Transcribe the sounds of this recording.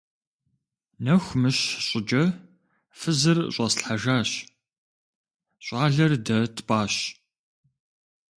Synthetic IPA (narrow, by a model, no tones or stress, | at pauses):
nɐxʷmɨɕɕʼɪd͡ʒʼɐ | fɨzɨrɕʼɐsɬħaʒaːɕ | ɕʷʼɑːɮɐrdɐtʰpʼaːɕ